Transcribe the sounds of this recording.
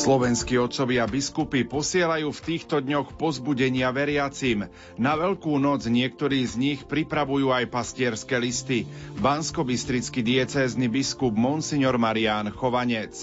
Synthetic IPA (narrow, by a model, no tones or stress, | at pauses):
slɔʋɛnskiːɔt̪sɔʋɪabiskupipɔsɪɛlajuːft̪iːxt̪ɔd̪ɲɔxpɔzbuɟɛɲɪaʋɛɾɪat͡sim | naʋɛʎkuːnɔd͡zɲɪɛk̚t̪ɔɾiːzɲixpɾipɾaʋujuːajpascɪɛɾskɛːlist̪ibanskɔbist̪ɾit͡skid̪ɪɛt͡sɛːznibiskubmɔnsiɲɔɾmaɾiaːnxɔʋaɲɛt͡s